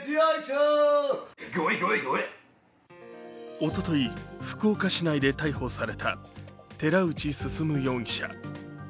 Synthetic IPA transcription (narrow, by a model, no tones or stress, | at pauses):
iaiɕo | ɡʲoiɡʲoeɡʲoe | o̞t̪o̞t̪o̞iɸɯ̟̥kɯoːkaɕinaid̪et̪aiho̞saɾe̞t̪a̰t̪e̞ɾaɯ̟t͡ɕisɨsɨmɯ̟jo̞ːŋ̟ʲiɕa̰